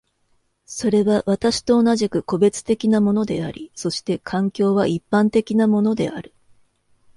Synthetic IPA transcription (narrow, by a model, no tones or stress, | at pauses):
so̞ɾe̞βaβat̪aɕi̥t̪o̞ːnaʑikɯ̟ko̞be̞t͡sɨ̥t̪e̞kʲinamo̞no̞d̪e̞aɾʲḭso̞ɕi̥t̪e̞kʰãŋkʲo̞ːβaʔipːãnt̪e̞kʲinamo̞no̞d̪e̞̰aɾɯ̟